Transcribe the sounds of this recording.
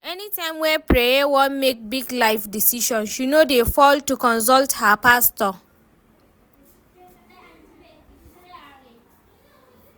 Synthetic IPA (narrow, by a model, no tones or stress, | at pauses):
ɛnitãɪ̃mwɛpɹejawɔ̃nmek̚biɡlaɪfdisiʃɔ̃nʃinodefɔltukɔ̃ns̬ɔlthapastɔ